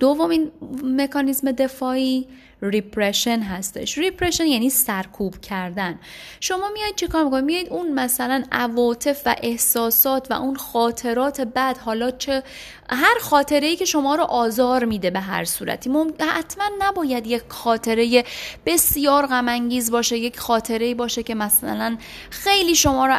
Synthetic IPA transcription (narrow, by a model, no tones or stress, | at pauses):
d̪̥ovːomiːnme̞kʰɒːnizme̞d̪e̞fɒːiː | ripʰɾeʃe̞nɦæst̪e̞ʃripʰɾeʃenjæːniːsæɾkʰuːb̥cʰæɾd̪ænʃo̞mɒːmijɒjd̪̚t͡ʃʰekʰɒːɾmikʰo̞nimijɒːjid̪unmæsælænʔævɒːt̪ʰe̞fvæ̰ʔe̞hsɒːsɒːt̪ʰvæ̰ʔunxɒːt̪ʰe̞ɾɒːt̪ʰe̞bæd̪̥hɒːlɒːt͡ʃʰe | ɦæɾxɒːt̪ʰe̞ɾe̞iːcʰe̞ʃo̞mɒːɾoʔɒːzɒːɾmiːd̪e̞be̞ɦæ̰ɾsuːɾæ̰t̪ʰiːmomhæ̰t̪ʰmænːæbɒːjæd̪jecxɒːt̪ʰe̞ɾe̞je̞b̥e̞sjɒːɾɣæmæŋɟiːzbɒːʃe̞je̞cʰxɒːt̪ʰe̞ɾe̞iːbɒːʃece̞mæsæ̰læn | xe̞jliːʃo̞mɒːɾo